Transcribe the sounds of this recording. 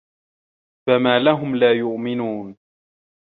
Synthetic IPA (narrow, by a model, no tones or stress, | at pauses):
famaːlaɦʊmlaːjʊʔmɪnuːn